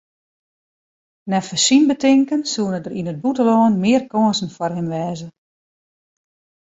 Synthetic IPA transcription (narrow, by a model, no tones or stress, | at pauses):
nɛfəsinbətɪŋkənsuənədəɾinəd̚butəlɔːnmɪərkɔənsn̩fɔrɦɪmʋɛːzə